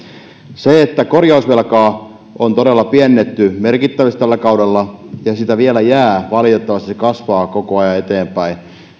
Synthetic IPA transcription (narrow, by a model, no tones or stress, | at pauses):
seet̪ːækorjɑusʋelkɑː | ʔont̪oɾelːɑpiɛnːet̪ːymerkit̪ːæʋist̪ælːækɑudelːɑjɑsit̪æʋiælæjæːʋɑlit̪et̪ːɑʋɑst̪iskɑsʋɑːkokoɑjɑet̪eːmpæi